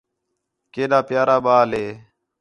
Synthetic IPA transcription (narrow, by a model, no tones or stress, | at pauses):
keːɗaːpɪjaːɾaːɓaːlɦeː